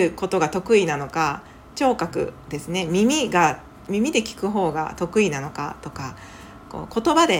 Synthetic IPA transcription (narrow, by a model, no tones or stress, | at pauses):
ɯ̟ko̞t̪o̞ɡat̪o̞kɯ̟inano̞ka | t͡ɕo̞ːkakɯ̟̰d̪e̞sɨne̞mʲimʲiɡa | mʲimʲid̪e̞kʲi̥kɯ̟ɦo̞ːɡa̰t̪o̞kɯ̟inano̞ka̰t̪o̞ka | ko̞̰ːko̞t̪o̞bad̪e̞